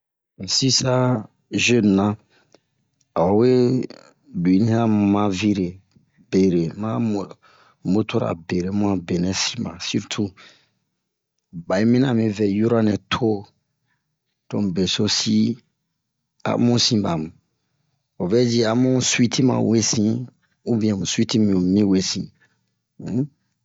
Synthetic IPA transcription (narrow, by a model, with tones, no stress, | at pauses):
n̩˨si˦sa˦ | ʒø˦˨n˨nã˦ | a˨wo˨we˦ | di˨˦nĩ˦hã˦mã˧˨vi˦ɾe˨ | be˨ɾe˨mã˦mo˨ | bo˦t̪ʰo˦ɾa̰˨be˨ɾe˨mũ˦ã˨be˨nɛ̃˦si̥˦mã̰˨su˦ɾtʰu˦ | ba˨i˦mĩ˦nã˦˨mĩ˦vɛ˨ju˦ɾa˦nɛ̃˨tʰo˦ | d̥õ˨m˨be˨so˦si˦ | a̰˨mũ˦sĩ˦ba˨mũ˨ | o˨vɛ˦d͡ʒi˦a˨mũ˦swi˦tʰi˦mã̰˨we˦sĩ˦ | u˦bĩ˨ã˨mũ˨si˦ti˦mĩ˨u˨mĩ˦we˦sḭ̃˨˦